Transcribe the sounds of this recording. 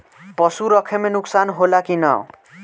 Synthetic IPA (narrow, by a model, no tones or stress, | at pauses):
pʌsuɾʌkʰemenuksanɦolakinʌ̰